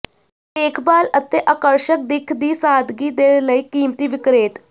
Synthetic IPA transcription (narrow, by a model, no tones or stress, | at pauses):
tekʰbalət̪ːeʔakəɾɕək̚d̪ikʰd̪iːsad̪ɡiːd̪eləjkiːmt̪iːʋikɾet̪